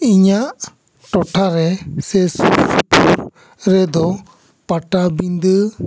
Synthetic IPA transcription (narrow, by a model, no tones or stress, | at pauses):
iɲaʔ | ʈɔʈʰaɾɛsɛsusupuɾ | ɾɛd̪ɔ | paʈabind̪ə